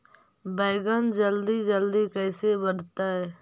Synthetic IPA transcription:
bɛːɡənd͡ʒəld̪id͡ʒəld̪ikɛːsebəɽ̤t̪aɦɛː

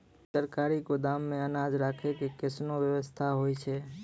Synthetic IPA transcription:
səɾkaɾikod̪aːmːẽənad͡ʒɾaːkʰekekɪsnoʋjəʋəst̪ʰaɦoit͡ʃʰɛ

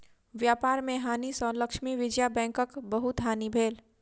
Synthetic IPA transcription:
ʋjaːpaːɾmẽɦaːnisə̃ləkʃmiʋɪd͡ʒjabɛ̃ːŋkəkbəɦʊt̪ɦaːnibʱeːl

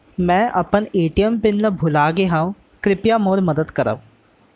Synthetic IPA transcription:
mɛ̃ːʔɐpəneːʈijəmpɪnːəbʱʊlaːɡeɦãːũ | kɾɪpjamoːɾməd̪əd̪kəɾa̰ːũː

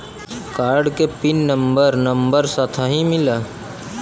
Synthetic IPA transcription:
kaːɾɖkepɪnːəmbəɾnəmbəɾsat̪ʰaɦimɪla

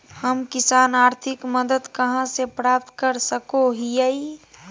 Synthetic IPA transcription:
həmkɪsaːnaːɾt̪ʰɪkməd̪əd̪kəɦãsepɾaːp̚t̪kəɾsəkoɦijəi

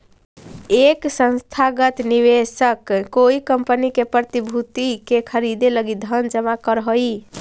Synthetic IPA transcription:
eksə̃nst̪ʰaɡət̪niʋesəkːoikəmpənikepɾət̪ibʱut̪ikekʰəɾid̪eləɡid̪ʱənd͡ʒəmakəɾɦəi

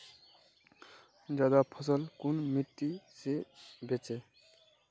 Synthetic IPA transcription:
d͡ʒad̪apʰʌsʌlkunmit̪ːisebʱet͡se

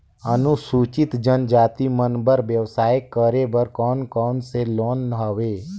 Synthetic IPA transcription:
ənusuːt͡ʃɪt̪d͡ʒənd͡ʒaːt̪imənbəɾʋjəʋsaːjkːəɾebəɾkɔːnkɔːnseloːnːəɦəʋeː

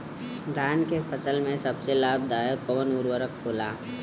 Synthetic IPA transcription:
ɖaːnkepʰəsəlmẽsɐbselaːb̚d̪aːjəkəʋənʊɾwəɾək̚ʰboːlaː

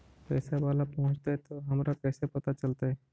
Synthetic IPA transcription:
pɛːsabaːlapɔɦʊ̃t͡ʃt̪eɦɛt̪oɦɐmɾakɛːsepət̪at͡ʃəlt̪aɦɛ

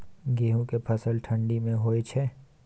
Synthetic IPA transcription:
ɡeːɦũkepʰəsəlʈʰə̃ɳɖimẽɦoːet͡ʃʰɛ

